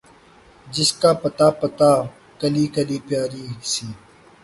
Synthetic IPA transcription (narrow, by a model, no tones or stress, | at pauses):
d͡ʒɪskaːpɐt̪aːpɐt̪aː | kɐliːkɐliːpjaːɾiːsiː